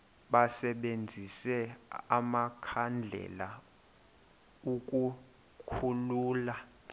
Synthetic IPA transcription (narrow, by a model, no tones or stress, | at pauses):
ɓasɛɓend͡zʱisɛamakʰand͡ɮʱɛ̰la | ukʼu | kʰuluːla